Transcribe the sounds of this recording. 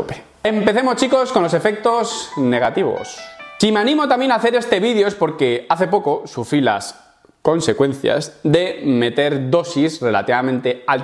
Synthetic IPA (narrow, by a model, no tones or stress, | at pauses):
ope̥ | e̞mpe̞θe̞mo̞st͡ʃiko̞sko̞nlo̞se̞fe̞k̚t̪o̞zne̞ɣ̞at̪iβo̰ssimeanĩmo̞t̪amje̞naːθeɾe̞st̪e̞βiðjoespo̞ɾke̞aθe̞po̞kosufɾila̰s | ko̞nse̞kwẽ̞n̟θja̰zðe̞me̞t̪e̞ɾd̪o̞sisre̞la̰t̪iβamẽnt̪e̞al